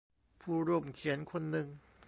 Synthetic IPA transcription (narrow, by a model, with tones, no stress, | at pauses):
pʰuː˥˧˩ɾu˥˩mkʰi˨˩˦ənkʰo˧nːɯ˧ŋ